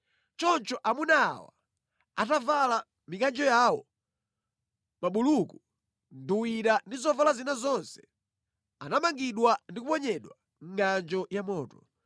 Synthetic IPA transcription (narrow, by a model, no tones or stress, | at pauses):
t͡ʃɔnt͡ʃɔʔamuna̰ːwa̰ | atavala | mikand͡ʒɔjaːwɔ | maɓuluku | nduwiɾandizɔvalazinazɔnsɛ̥ | anamaŋɡiɗwandik̬upɔɲɛɗwa | ŋ̩ɡand͡ʒɔjamɔːtɔ